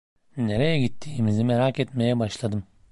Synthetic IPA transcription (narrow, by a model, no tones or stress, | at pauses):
ne̞ɾejɛɟit̪ʰːiːmizimeɾaːket̪me̞jɛbaʃlˠad̪ɯm